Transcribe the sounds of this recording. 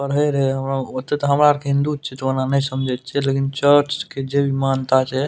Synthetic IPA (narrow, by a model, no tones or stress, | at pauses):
bəɾɦəɾɛɦəmɾaot̪ɛt̪ɔɦəmɾaɾkeɦĩnd̪ut̪̚t͡ʃʰɛt̪onanəjsəmd͡ʒʱɛt̪̚t͡ʃʰɛlekint͡ʃəɾt͡ʃked͡ʒebʱimant̪at͡ʃʰɛ